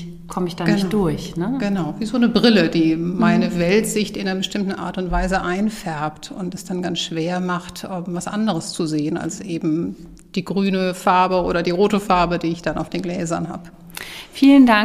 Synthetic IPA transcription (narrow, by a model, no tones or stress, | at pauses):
kʰɔməɪçd̥aɡɪd̥ʊɐçnəɡ̥ənaʊviːzoːnəbʁɪlədiːmaɪnəvɛltz̥ɪçtɪnɐbəʃtɪmtn̩ʔa̰ːɐtʊntv̥aɪzəʔaɪnfɛɐptʰʊ̰ntɛsd̥anɡansʃv̥eːɐmaχtʔɛmvasʔa̰ndəʁəst͡suzeːəna̰lsʔeːbm̩ | d̥iːɡʁyːnəfaɐbəʔoːɾɐdiːʁoːtəfaɐbədiːɪçd̥ana̰ʊfd̥eːnɡlɛːzɐnɦa̰ːb | fiːlənda